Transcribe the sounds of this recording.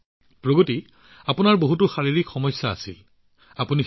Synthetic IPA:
pɹoɡoti | apunaɹboɦutʊxaɹiɹikxɔmɔjsːa̰ːsḭ | apuni

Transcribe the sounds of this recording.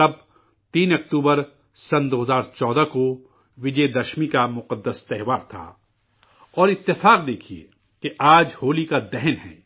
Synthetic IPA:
ɐb̚ | t̪iːnɐkt̪uːbəɾ | sɐnd̪oːɦəzaːɾt͡ʃɔːd̪ako | ʋɪd͡ʒɛːd̪ɐʃmikamʊqəd̪ːəst̪ɛɦʋaːɾt̪ʰa̰ː | ɔːɾɪt̪ːɪfaːqd̪eːkʰiḛː | keʔaːd͡ʒhoːlikad̪ɛɦnɦɛ̰̃ː

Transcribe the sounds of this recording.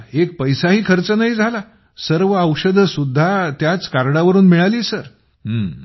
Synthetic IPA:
ekpəjsaɦiːkʰəɾt͡sənaɦiːd͡zʱala | səɾʋəəwʂəd̪ʱəsud̪ʱːat̪jat͡skaɾɽaʋəɾuːnmiɭaliːsəɾ | ɦəː

